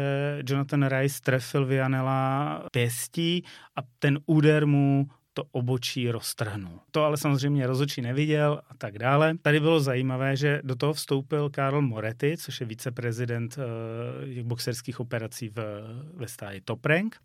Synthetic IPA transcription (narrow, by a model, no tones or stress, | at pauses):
ɛd͡ʒonat̪onɾajst̪ɾɛfɪlvɪanɛlapjɛsciːʔat̪ɛnuːdɛɾmu | t̪oʔobo̞t͡ʃiːɾo̞st̪r̩ɦnult̪oalɛsamozr̝ɛjmɲɛɾo̞zot͡ʃiːnɛvɪɟɛlʔat̪aɡdaːlɛt̪adɪbɪlo̞zajiːmavɛːʒɛdot̪̬oɦofst̪o̞wpɪlkaɾl̩mo̞ɾɛt̪ɪt͡soʃjɛviːt͡sɛpɾɛzɪdɛnt̪ | tɛɣboksɛɾskiːxʔo̞pɛɾat͡siːvvɛst̪aːlɪt̪o̞pɾɛŋk